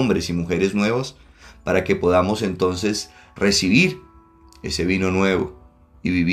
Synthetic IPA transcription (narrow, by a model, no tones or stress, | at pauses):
mbɾe̞simuxeɾe̞znwe̞βas | paɾake̞po̞ðamo̞se̞nt̪o̞nse̞s | resiβiɾ | e̞̰se̞βino̞nwe̞βo̰ | iβiβ